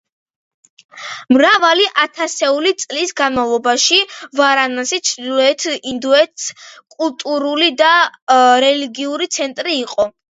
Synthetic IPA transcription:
mɾavaliʔat̪ʰasɛulit̪sʼlisɡanmavlˠɔbaʃivaɾanasit͡ʃʰɾd̪ilˠɔɛt̪ʰind̪uɛt̪skʼulˠt̪ʼuɾulid̪aɾɛliɡiuɾit̪sʰɛnt̪ʼɾiːqʼɔ

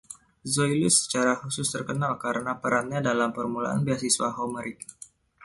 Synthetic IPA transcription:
zoilʊsə̥t͡ʃaɾahusʊst̪ərkənalkaɾənapəɾat̪̚ɲadalampərmula̰ʔa̰nbias̬iswa̰ɦoməɾik

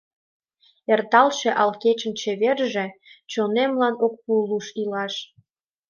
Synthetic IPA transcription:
ert̪ɑlʃeʔɑlket͡ɕə̆nt͡ɕeβerʒĕt͡ɕonemlɑnok̚puluʃilɑʃ

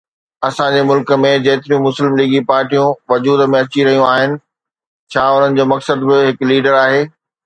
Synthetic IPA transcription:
ɐsãd͡ʑeːmʊlkə̆mẽd͡ʑɐːt̪ɪɾijũmʊslɪmliːɡipaːɾʈijũʋɐd͡ʑuːd̪mẽɐt͡ɕiɾɐɦijũaːɦɪnɪ̆ | t͡ɕʰaːʊn̤ənɪ̆d͡ʑoːmɐksəd̪bɪɦɪkliːɖəɾaːɦeː

